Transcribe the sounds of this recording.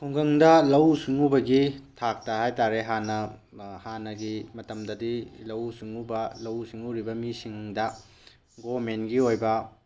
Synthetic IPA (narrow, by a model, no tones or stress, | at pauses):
kʰuŋɡɐŋdɐlɐwsiŋubɐɡitʰak̚tɐhajtaɾeɦanɐ | hanɐɡimɐtɐmdɐdilɐwsuŋubɐlɐwsiŋuɾibɐmisiŋdɐ | ɡomenɡiojbɐ